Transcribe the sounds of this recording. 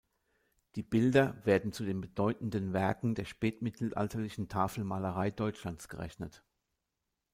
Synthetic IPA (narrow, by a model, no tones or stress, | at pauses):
d̥iːbɪldɐveːɐdn̩t͡sudeːnbədɔʏtn̩dənvɛɐkŋ̩deːɐʃpɛːtmɪtʰl̩ʔa̰ltʰɐlɪçn̩tʰaːfl̩maːləʁaɪdɔʏt͡ʃlant͡sɡ̥əʁɛ̰çnət